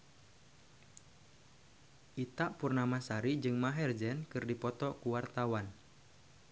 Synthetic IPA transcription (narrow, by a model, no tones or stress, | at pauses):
ʔit̪aʔpurnamasaɾid͡ʒɨŋmaɦɛrd͡ʒɛnkɨrdipɔt̪ɔkuwart̪awan